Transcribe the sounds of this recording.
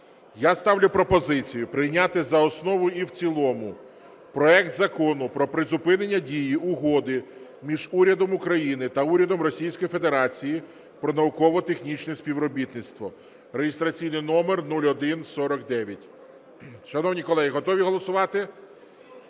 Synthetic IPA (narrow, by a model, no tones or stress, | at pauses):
jast̪ɑʋlʲʊpɾɔpɔzɪt͡sʲijʊpɾɪjnʲat̪ɪzɐɔsnɔʋʊjiwt͡sʲilˠɔmʊ | pɾɔɛkt̪zɐkɔnʊpɾɔpɾɪzʊpɪnenʲːɐdʲijiʔʊɦɔd̪ɪmʲiʒuɾʲɐd̪ɔmʊkɾɐjinɪt̪ɐuɾʲɐd̪ɔmrɔsʲijsʲkɔjifed̪e̞ɾɑt͡sʲiji | pɾɔnɐʊkɔʋɔt̪exnʲit͡ʃnɛsʲpʲiʋɾɔbʲit̪nɪt̪st̪ʋɔ | ɾeɦest̪ɾɐt͡sʲijnɪjnɔmernulʲɔd̪ɪnsɔɾɔkd̪ɛʋʲjɐtʲ | ʃɐnɔʋnʲikɔlˠɛɦiɦɔt̪ɔʋʲiɦɔlˠɔsʊʋɑt̪ɪ